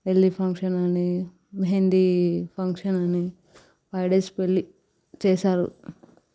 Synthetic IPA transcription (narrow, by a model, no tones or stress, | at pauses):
ʋelːipʰɐŋkʂɐnɐni | mɦend̪ipʰɐŋkʂɐnɐni | pɐjɖespelːi | t͡ʃɛːsaːɾṵ